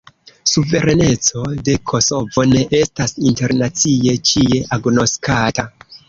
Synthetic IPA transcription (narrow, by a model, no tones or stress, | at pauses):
suve̞ɾene̞t͡so̞de̞kʰo̞so̞vo̞ne̞ʔe̞stasinte̞ɾnat͡sie̞t͡ʃie̞ʔaɡno̞skata